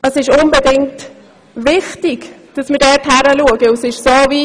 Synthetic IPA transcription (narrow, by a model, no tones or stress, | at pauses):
əsɪʃʊnbɛdɪŋt | vɪχtɪɡd̥ɑsməɾdɛːthæɾəluəɡəusɪʃsoːvi